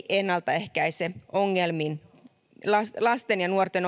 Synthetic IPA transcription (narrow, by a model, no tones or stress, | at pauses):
ʔenːɑlt̪ɑehkæiseʔoŋːelmin | lɑslɑst̪enjɑnuort̪en